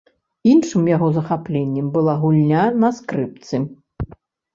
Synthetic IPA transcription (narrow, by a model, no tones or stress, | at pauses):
inʂɨmjaɣɔzɐxaplʲenʲːɛmbɨlˠaɣulʲnʲanɐskɾɨp̚t̪sɨ